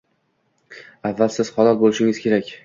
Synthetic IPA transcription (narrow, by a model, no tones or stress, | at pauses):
avːalsɪz̥χɒlˠɒt̪̚bolɪʃɪŋɪz̥kʲʰe̞ɾakʲ